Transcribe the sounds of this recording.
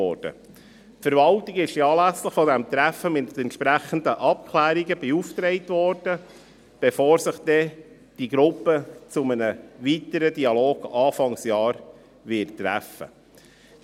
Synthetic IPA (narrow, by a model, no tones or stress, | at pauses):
ɔ̰ːɾd̥ə̰ | fəɾvɑltiɡɪʃiɑːlæsləχfɔdæmt̪ɾæfəmɪt̪ɛntʃpɾæχən̩d̪əʔɑp̚kʰlæːɾiɡəbɛuft̪ɾɛɪt̪vɔɾd̥ə | b̥ɛfɔːɾsɪχd̥̪ɛ | d̥iɡɾʊpːət͡sʊmənəvit̪əɾəd̪iɑloːɡ̥ɑːfɑŋsjɑːɾ | vɪttːɾæ̰fə̰